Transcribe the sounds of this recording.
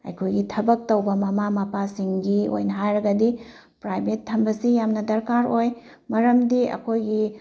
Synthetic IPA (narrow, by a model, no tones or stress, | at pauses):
ɐ̰jkʰojɡitʰɐbɐk̚tɐwbɐmɐmamɐpasiŋɡio̰jnɐɦajɾɐɡɐdi | pɾajbʱetʰːɐmbɐsijamnɐdɐɾkaɾoj | mɐɾɐmdiɐ̰kʰojɡi